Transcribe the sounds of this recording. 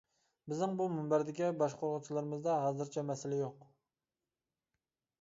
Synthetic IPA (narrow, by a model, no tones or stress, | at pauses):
bɪznɪŋbumymbæɾd̪ɪkʲibɑʃqʰoɾʁʊt͡ʃʰilˠɨɾɨmɨzd̪ɑɦɑːzɨɾt͡ʃʰɛmɛsɪlɛjoq